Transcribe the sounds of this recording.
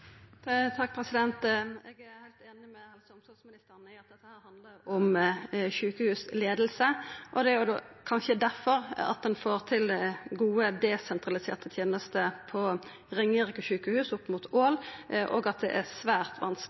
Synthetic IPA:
t̪ʰɑk̚ːpʰʁɛsɪd̪ɛnt̪ɛːɡæhæɪlt̪eːnɪmɛɑlsɔmsɔlsmɪnɪst̪əʁnæɪɑt̪̚d̪ɛt̪ːəhæːɾhɑnd̪ləɾɔmʃʉːkəhʉːsleːd̪əlsəʔɔd̪ɛæɾjʊd̪oːkʰɑnʃəd̪æʁfɔɾɑ̰t̪̚d̪ɛnfoːʁt̪ʰɪlɡuːəd̪ɛsɛnt̪ɾɑlɪsḛːʁt̪ət̪ʰjeːnəst̪əpʰɔ | ʁɪŋːəɾɪkəʃʉːkəhʉːsʊpːmuːt̪ʰoːlʔoːɡɑt̪̚d̪ɛ̰ʔæsʋæːʁt̪ʰʋɑ̰ns

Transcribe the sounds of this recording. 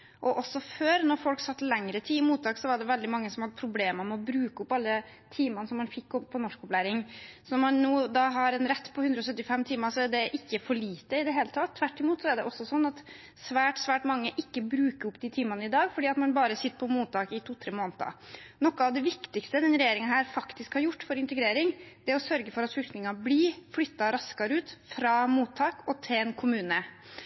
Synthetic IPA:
ʔɔʔɔsːɔføːɾnɔɾfɔlksɑt̪ːlɛŋɾət̪ʰiːɪmuːt̪ɑːksɔʋɑɖɛʋɛld̪ɪmɑŋːəsɔmhɑd̪ːəpʰɾʊbleːməmɛɔbɾʉːkəʊpːɑlːə | t̪ʰiːmɑnəsɔmːɑnfɪkːɔppʰːɔnɔʂkɔplæɪɾɪŋsɔmːɑnnuːd̪ɑɦɑɾɛnɾɛt̪ːpʰɔʉnd̪ɾəɔsœt̪ːɪfɛmːt̪ʰiːməsɔɛɖɛʔɪkːəfɔɭiːt̪ːəɪd̪ɛɦeːlət̪ʰɑt̪ʰːʋæʈːɪmuːt̪sɔɛɖɛ̰ʔɔsːɔsɔnːɑt̪ | sʋæːʈsʋæːʈmɑŋːəʔɪkːəbɾʉːkəɾʊpːd̪iːt̪ʰiːmɑnəɪd̪ɑːɡfɔɖiːɑt̪mɑnbɑːɾəsɪt̪ːə̥pʰɔmuːt̪ːɑːkɪt̪ʰuːt̪ʰɾeːmoːnt̪ɑ̰nɔkːɑɑʋd̪ɛʋɪkt̪ɪkst̪əd̪ɛnɾɛjeːɾɪŋɑɦæːɾfɑkt̪ɪskhɑɾjʊʈːfɔɾɪnt̪əɡɾeːɾɪŋd̪ɛæɾɔsœɾɡəfɔɾɑt̪flʏlknɪŋɑbliflʏt̪ːɑɾɑskɑɾʉːt̪fɾɑːmuːt̪ʰːɑːkɔt̪ʰɪlɛːnkʰʊmʉːnə

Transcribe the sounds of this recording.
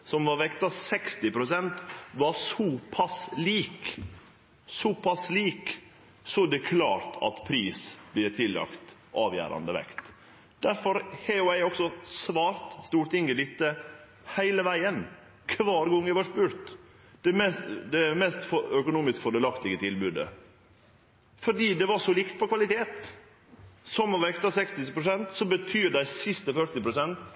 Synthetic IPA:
sɔmʋɑɾʋɛkt̪ɑsɛkst̪ɪpɾʊsɛnt̪ʋɑɾsɔpʰɑsliːk | sɔpʰɑsliːk | sɔd̪ɛkʰlɑːɾt̪ʰɑ̰t̪pʰɾiːsb̥lɪɾt̪ʰɪlːɑ̰kt̪ | ʔɑːʋjæ̰ːɾɑ̰nd̪əʋɛ̰kt̪ | d̪̥æɾfɔɾheːʊæɪɔksɔsʋɑːɾt̪st̪uːɾʈ̪ɪŋɡəd̪ɪt̪ːə | hæɪləʋæɪən | kʰʋɑːɾɡɔŋːəʋɑʂpʉːɾt̪ | d̪̥ɛmɛsd̪ɛæɾmɛst̪fɔœkʊnuːmɪskfɔɖɛlɑkt̪ɪɡət̪ʰɪlbʉd̪ə̰ | fɔɖiːd̪ɛʋɑʂɔlɪkt̪̚pʰɔkʰʋɑlɪt̪ʰeːt̪ | sɔmɔʋɛkt̪ɑsɛkst̪ɪpɾʊsɛnt̪sɔbət̪ʰyːɾɖ̪æɪsɪst̪əfœɾt̪ɪpɾʊsɛnt̪

